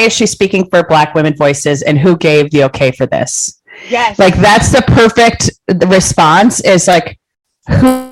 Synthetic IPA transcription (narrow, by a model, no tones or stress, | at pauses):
ɨz̥ʃiz̥spikɪ̃ŋfə˞blækwɪ̃mɨ̃nvɔɪsɪzɨ̃nɦuɡeɪvðioʊkʰeɪfə˞ðɪ̰s | laɪk̚ðætsðɨpʰɜ˞fɪk̚tɹɨspɑ̃nsɪz̥laɪk | hu